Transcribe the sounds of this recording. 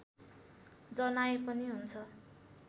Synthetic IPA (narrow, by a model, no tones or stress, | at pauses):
d͡zʌnajpʌniɦunt͡sʰʌ